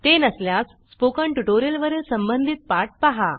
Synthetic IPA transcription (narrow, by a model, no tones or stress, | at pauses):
t̪enəsljas | spokəɳʈuʈoɾijəlʋəɾelsəmbənd̪ʱit̪̚paʈ̚paɦa̰